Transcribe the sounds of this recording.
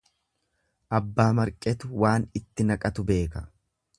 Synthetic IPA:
ʔɐbːaːmɐɾkʼɛt̪ʊwaːnɪt̪ːɪnɐkʼɐt̪ʊbe̞ːkɐ

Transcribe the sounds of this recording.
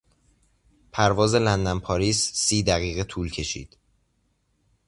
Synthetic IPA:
pʰæɾvɒːze̞lænd̪æmpʰɒːɾiːsːiːd̪æɣiːɣe̞t̪ʰuːlcʰe̞ʃḭːd̪̥

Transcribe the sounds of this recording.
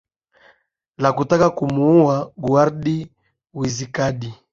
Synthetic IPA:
lakutakakumuuwaɡuaɾɗi | wizikaɗi

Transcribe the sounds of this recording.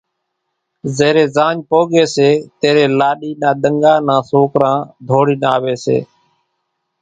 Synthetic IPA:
zeːɾeːzãːɲpoːɠeːseːt̪eːɾeːlaːɗiːnãːɗ̪əŋɡãːnãːsoːkɾãːd̪ʱoːɽiːnaːʋeːsḛː

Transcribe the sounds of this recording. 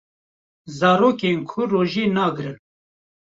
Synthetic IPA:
zɑːɾoːkeːnkʰʊroːʒeːnɑːɡɨɾɨn

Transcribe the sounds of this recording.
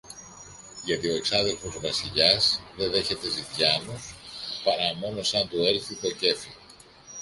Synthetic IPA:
ʝɐt̪io̞e̞ksɐnðe̞lfo̞zvɐsiʎɐzðe̞ðe̞çe̞t̪e̞zit̪ʝɐnuspɐɾɐmo̞no̞sɐnt̪ue̞ɾθit̪o̞ce̞fi

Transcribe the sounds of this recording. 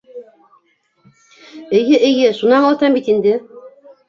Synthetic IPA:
ɘ̆jɘʔɘ̆jɘʃunɑnɑlˠt̪ɑmbit̪ind̪ɘ

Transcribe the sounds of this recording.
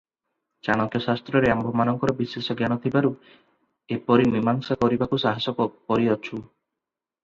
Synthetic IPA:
t͡ʃaɽ̃ɔkjɔsast̪ɾɔɾeambʱɔmanɔŋkɔɾɔbisesɔɡjanɔt̪ʰibaɾu | epɔɾimimaŋsakɔɾibakusaɦasɔkɔkɔɾiɔt͡ʃʰu

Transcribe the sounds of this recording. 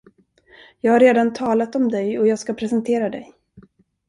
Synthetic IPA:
jɑːɡhaɾeːd̪ant̪ʰɑːlat̪ɔmd̪ɛjɔjɑːɡskapʰɾɛsɛnt̪ʰeːɾad̪ɛj

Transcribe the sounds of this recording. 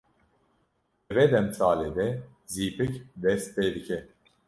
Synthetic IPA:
vɛd̪ɛmsaːleːd̪ɛ | ziːpɨkd̪ɛst̪̚t̪eːd̪ɨkʰɛ

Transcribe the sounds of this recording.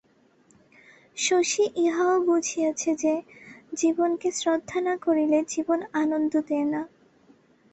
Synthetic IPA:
ʃoʃiʔiɦaobud͡ʑʱijat͡ɕʰed͡ʑed͡ʑibonkesɾod̪ʱːanakoɾiled͡ʑibonanond̪ʱod̪ena

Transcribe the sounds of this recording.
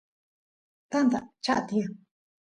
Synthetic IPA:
t̪and̪a̰t͡ʃa̰ʔat̪ĩã

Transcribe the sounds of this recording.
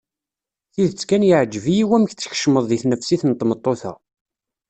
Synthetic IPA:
θiðt͡sːkænjəʕd͡ʒːəvijiwæməç̪t͡sːə̥çə̥ʃməðˤðiθnəfsiθnt̪ːˤmət̪ˤːoθæ̰

